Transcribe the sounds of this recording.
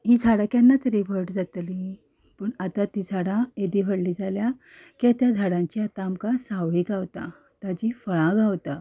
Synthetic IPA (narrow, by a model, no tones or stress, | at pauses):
ɦiːd͡zʱaɽakjanːat̪əɾibʱəʈd͡zat̪li | pəːɳat̪at̪iːd͡zʱaɽãed̪iʋəɽliːd͡zʱalja | kat̪jad͡zʱaɽãɲt͡ɕiat̪aːmkasaʋiɡawt̪a̰ | t̪ad͡ʑifəɭãɡʱawt̪a